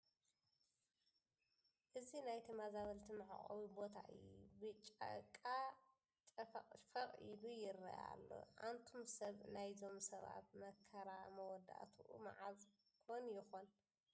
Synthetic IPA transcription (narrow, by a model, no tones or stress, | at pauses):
ʔɨzinajt̪ʰimazaβɐlt̪ʰimɨʕa̰χʼɐ̰βibo̞t̪ʰa̰ʔɨjːubɨt͡ʃʼːa̰kʼːa | t̪ʼɐfɐχʼfɐχʼilujɪɾɐ̰ʔa̰lːo̞̰ʕa̰nt̪ʰomsɐβnajzo̞msɐβa̰t̪̚mɐkʰːɐɾamɐwɔd̪a̰ʔt̪ʰuʔṵma̰ʕaz | kʰonjɪxon